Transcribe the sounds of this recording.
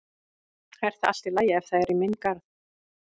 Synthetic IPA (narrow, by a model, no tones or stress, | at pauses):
hɛɾ̥θaða̰l̥t̪ɪlaːjaɛfθaɛɾɪmɪnkaɾð